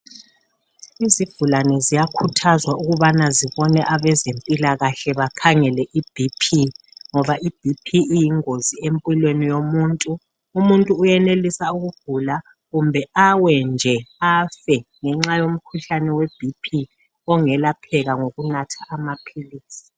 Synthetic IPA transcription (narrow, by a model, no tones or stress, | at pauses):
izivulanɛzijakʰutʰazwauɣuβanaziβɔnɛʔaβɛzempʼilaɣaɬɛβakʰaŋɛlɛʔib̥ʱipʰi | ŋɔβaʔib̥ʱipʰiːjiŋoziempʼilwenijomuːntʼu | umuntʼuːjɛnelisauɣuv̥ula | ɣumbʱɛawɛnd͡ʒʱɛafɛŋɛŋ͡ǁajom̩kʰuɬanɛweb̥ʱipʰi | ɔŋɛlapʰɛɣaŋoɣunatʰḁʔːmapʰiliːsi̥